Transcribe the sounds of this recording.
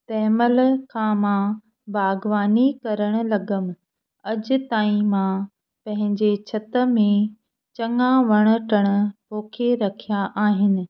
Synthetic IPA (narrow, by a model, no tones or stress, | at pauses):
t̪ɛːməlkʰãmã | baːɡʋaːnikɐɾəɽ̃ʊ̆lɐɡəmɪ̆ | ɐd͡ʑʊ̆t̪aːĩmã | pɐ̃ɦɪ̃ɲd͡ʑet͡ɕʰɐt̪ə̆mẽ | t͡ɕɐŋãʋɐɽ̃ə̆ʈəɽ̃ʊ̆poːkʰeɾɐkʰijaʔaːɦɪnɪ̆